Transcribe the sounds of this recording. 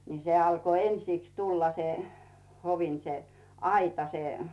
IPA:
ni se ɑlko ensiˑks tulːɑ se hoʋin se ɑitɑ se

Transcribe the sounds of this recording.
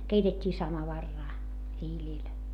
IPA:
keitetʲːiː sɑmɑʋɑrːɑː hiːlʲiˑl

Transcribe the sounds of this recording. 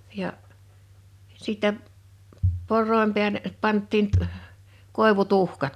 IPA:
jɑʔ sitːɛ porˑoˑim pe̝æle pɑntːiːn t ə̆h̆ koˑeʋutuhkɑt

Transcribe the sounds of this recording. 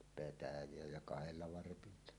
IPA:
petæjˑeæ jɑ kɑheliɑ ʋɑrpilːɑ

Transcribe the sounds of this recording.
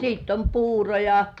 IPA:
siˑtː om puːro jɑ

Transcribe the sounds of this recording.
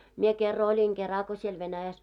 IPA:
mie kerːɑ olʲiŋ kerɑ ko siel ʋenæjæs

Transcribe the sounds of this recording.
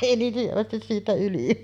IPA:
eˑi niːn hyʋæstis siːtæ yli

